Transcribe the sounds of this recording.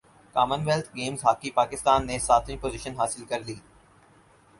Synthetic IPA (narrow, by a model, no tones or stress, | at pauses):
kaːmənʋelt̪ʰɡeːmzɦaːkipaːkɪst̪aːnːesaːt̪ʰʋĩpoːzɪʃənɦaːsɪlkɐɾliː